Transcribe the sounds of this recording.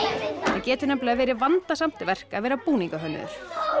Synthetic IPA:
acɛːt̪ʏnɛplɛavɛːɾɪvant̪asam̥t̪ɪvɛr̥kaðvɛːɾapuːniŋkaɦœnːʏ̰ðʏ̰ɾ̥

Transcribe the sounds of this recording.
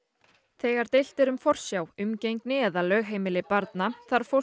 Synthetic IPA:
θɛːɣaɾ̥t̪ejl̥t̪ɪɾʏmfɔr̥sjawʏmcejŋknɪɛðalœːɣɦeːjmɪlɪpaɾt̪naθaɾ̥fo

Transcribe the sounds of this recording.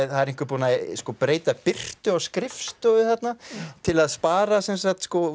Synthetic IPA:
θaðɛɾẽŋkvʏɾpuːnaskɔːpɾeːjt̪apɪr̥t̪ʏawskɾɪfst̪œðʏθɛt̪nat̪ʰɪlaðspaːɾasɛns̬at̪skɔ

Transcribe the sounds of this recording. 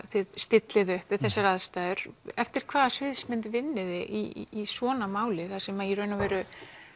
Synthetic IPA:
θɪðst̪ɪt̪lɪðʏhpvɪðθɛsːaɾaðst̪aːjðʏɾɛft̪ɪɾ̥kʰv̥aːðasvɪðsmɪnt̪vɪnːɪðɪʔiːsvɔːnamaːwlɪθasɛmajɛɾœːɥnavɛːɾʏ

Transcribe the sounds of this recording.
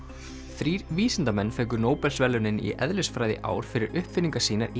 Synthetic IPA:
θɾiːɾviːsɪnt̪amɛnːfɛːɥk̬ʏɾnoːwpɛlsvɛlʏnɪnḭʔɛðlɪsfɾaːjðɪ̰ʔa̰ːwɾ̥fɪɾɪɾʏhpfɪniŋkḁsiːnaɾi

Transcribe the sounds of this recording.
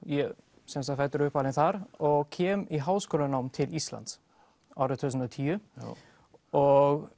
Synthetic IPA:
jɛ | sɛmsafɛt̪ːʏɾʏhpalɪnθaɾɔɣcʰɛːmiɦaːwskoːlanawmt̪ʰɪlist̪la̰nt̪s | awɾɪt̪ʰusənɔt̪ʰiːʏ | ɔɣ

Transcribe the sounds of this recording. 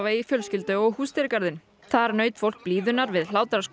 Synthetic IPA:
vaifjœlscɪlt̪ʏɔɣhuːst̪ɛɾkaɾðɪn | θaɾnœːɥt̪fowl̥k̚pliːðʏnaɾvɪðl̥aːwt̪ɾḁsk

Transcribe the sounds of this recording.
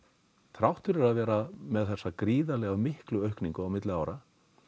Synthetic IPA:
t̪ʰɾawht̪ʏɾɛɾaðvɛːɾamɛðθɛsːakɾiːðalɛɣawmɪhklʏœɥhkniŋkʏawmɪt̪lɪaːwɾʔa

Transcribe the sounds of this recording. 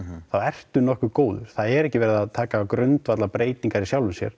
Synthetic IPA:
θawɛr̥t̪ʏnɔhkʏkoːwðʏ̰ɾ̥θaðɛɾɛhcɪvɛːɾɪðaðt̪ʰaːkaːkɾʏnt̪vat̪lapɾeːjt̪iŋkaɾisjawlʏnsjɛ̰ɾ̥

